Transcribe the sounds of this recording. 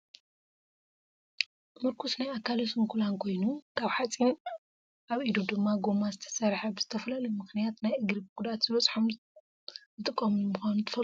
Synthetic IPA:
mɨɾkʰusnajakːalosɨmkʰulankʰo̞jnukʰaβħat͡sʼin | ʔaβʔid̪ud̪ɨmːaɡomazɨt̪ʰɐ̥sɐɾħabɨz̥ɨt̪ʰɐfɐlɐlɐmɨxnijat̪najʔɨɡɾɨbkʰud̪at̪z̥ɨβɐt͡sʼħom | zɨt̪ʼɨkʼːɐmmɨxanut̪ʰɨfɐl

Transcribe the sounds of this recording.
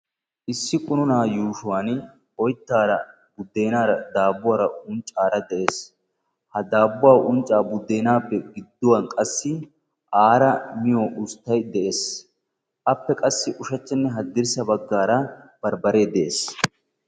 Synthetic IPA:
ʔɪsːɪkʼʊnʊnaːjuːʃʊwaːn | ɔjt̪ːaːɾɐ | bʊd̪ːe̞ːnaːɾɐd̪aːbʊwaːɾɐʊnt͡ʃʼːaːɾɐd̪ɛʔe̞ːs | hɐd̪aːbːʊwaːʔʊnt͡ʃʼːaːbʊd̪ːe̞ːnaːpːɛɡɪd̪ːʊwɐnkʼɐsːɪ | ʔaːɾɐmɪjoʔʊst̪ːɐjd̪ɛʔe̞ːs | ʔɐpːɛkʼɐsːɪʔʊʃɐt͡ʃːɛnːɛɦɐd̪ːɪɾsɐbɐɡːaːɾɐ | b̥ɐɾbɐɾe̞ːd̪ɛʔḛːs

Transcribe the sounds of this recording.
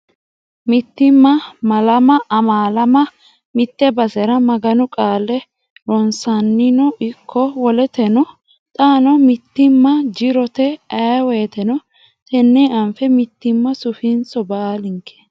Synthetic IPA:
mɪt̪ːɪmːɐmɐlɐmɐːmaːlɐmɐ | mɪt̪ːɛbɐsɛɾɐmɐɡɐnʊkʼaːlːɛ | ɾɔnsɐnːɪnɔɪkʰːɔwɔlɛt̪ɛnɔ | t̪ʼaːnɔmɪt̪ːɪmːɐd͡ʒɪɾɔt̪ɛɐweːt̪ɛnɔ | t̪ɛnːeːʔɐmfɛmɪt̪ːɪmːɐsʊfɪnsɔbaːlɪŋkʰːɛ̥

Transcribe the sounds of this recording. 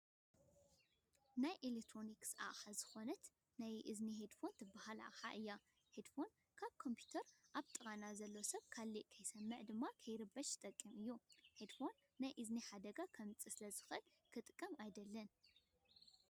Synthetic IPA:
najʔelekt̪ʰɾo̞niksa̰ʔħazɨxo̞nɐt̪ | najʔɨzniɦed̪fo̞nt̪ʰɨbaɦalʔa̰ʔħa̰ʔɨjːa | hed̪fo̞n | kʰaβkʰo̞mpʰju̥t̪ʰɐɾʔaβt̪ʼɨɣʼanazɐlːosɐβkʰalːiʔkʰɐjsɐmːɨʕd̪ɨmːakʰɐjɾɨbːɐʃɨt̪ʼɐkʼːimɨjːuhed̪fo̞nːajʔɨzniħad̪ɐɡakʰɐmɨt͡sʼɨsɨlɐzɨ̥xɨʔɨl | kʰɨt̪ʼkʼːɐmajd̪ɐlːɐn

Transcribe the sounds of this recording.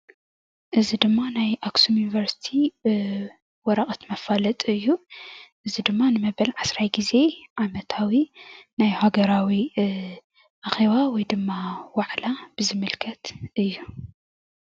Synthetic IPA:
ʔɨzid̪ɨmːanajʔaksumjunivɐɾsi̥t̪ʰi | wɔɾɐχʼɐt̪mɐfalɐt̪ʼɨjːuʔɨzid̪ɨmːanɨmɐβɐlʕasɾajɡize̞ʕamɐt̪ʰawinajhaɡɐɾawi | ʔaxe̞βawɔjd̪ɨmːawaʕlab̥ɨzɨmɨlkʰɐt̪ɨjːu

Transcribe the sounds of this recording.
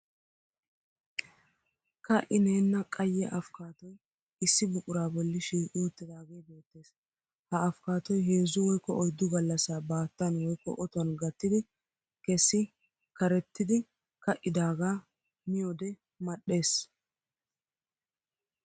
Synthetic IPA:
kɐʔɪne̞ːnːɐkʼɐjːɛʔɐfkaːt̪ɔj | ɪsːɪbʊkʼʊɾaːbɔlːɪʃiːʔuːt̪ːɪd̪aːɡeːbo̞ːt̪ːe̞ːs | hɐɐfkaːt̪ɔjɦe̞ːzːʊwɔjkːɔʔɔjd̪ːʊɡɐlːɐsaːbaːt̪ːɐnwɔjkːɔ̰ʔɔt̪ɔnɡɐt̪ːɪd̪ɪ | kɛsːɪ | kɐɾɛt̪ːɪd̪ɪ | kɐʔːɪd̪aːɡaː | mɪjod̪ɛ | mɐɗe̞ːs

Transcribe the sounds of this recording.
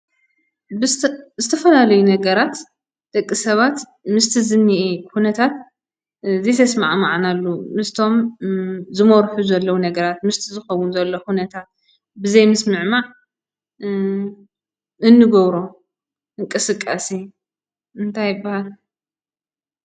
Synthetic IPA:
zɨt̪ʰɐfɐlalɐjunɐɡɐɾat̪ | d̪̥ɐkʼːisɐβat̪ | mɨst̪ʰizɨnːiʔikunɐt̪ʰat̪ | zijt̪ʰɐsmaʕmaʕanalːumɨst̪ʰo̞m | zɨmoɾħuzɐlːɐwunɐɡɐɾat̪mɨst̪ʰizɨxɐwunzɐlːo̞kunɐt̪ʰat̪̚ | bɨzɐjmɐsmɨʕmaʕ | ɨnːɨɡoβɾo | ɨŋkʼɨsɨkʼːasi | ɨnt̪ʰajːɨbːahal

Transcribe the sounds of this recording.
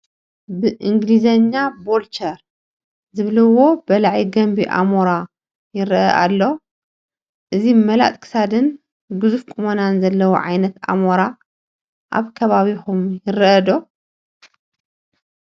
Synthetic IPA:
bɨʔɨŋɡlizɐɲːabolt͡ʃʰɐɾ | zɨβlɨwːo̞bɐlaʕiɡɐmbiʔa̰moɾa | jɪɾɐ̰ʔa̰lːo | ʔɨzimɐla̰t̪ʼkʰɨ̥sad̪ɨn | ɡɨzufkʰʼumɐnanzɐlːɐwṵʕa̰jnɐt̪ʔa̰moɾa | ʔa̰βkʰɐβaβixumjɪɾʔɐd̪o

